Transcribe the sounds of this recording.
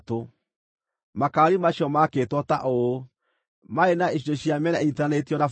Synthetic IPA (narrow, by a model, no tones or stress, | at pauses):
to | makaɾimaɕjɔmaketwɔtaʔo | maenaeʃinoɕjamɛnaitanetiɔnaf